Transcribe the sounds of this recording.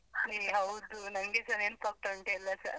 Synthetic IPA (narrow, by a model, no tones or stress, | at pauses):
neɦɐwd̪unɐŋɡesɐɾeːnpɐk̚ʈoɳʈelːasɐ̰ɾ